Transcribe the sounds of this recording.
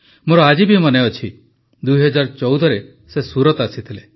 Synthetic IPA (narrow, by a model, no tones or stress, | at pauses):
moɾɔad͡ʒibimɔneɔt͡ʃʰi | d̪ujɦɔd͡ʒaɾt͡ʃɔwd̪ʱɔɾe | sesuɾɔt̪asit̪ʰile